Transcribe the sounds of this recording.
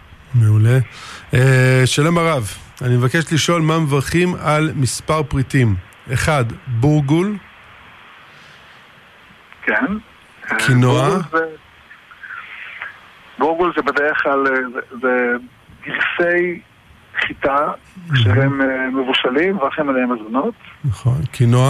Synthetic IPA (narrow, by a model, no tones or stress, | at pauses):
meule̞eʃalo̞maʁavanimevakeʃliʃo̞lmamevaʁχimalmispaʁpʁit̪im | eχadbuʁɡul | kʰen | kʰinoaze | buʁɡulzebedeʁeχklalzeze | ɡiʁsej | χit̪a | kʃeɦemmevuʃalimevaʁχimalemazmanot̪naχo̞nkʰinoa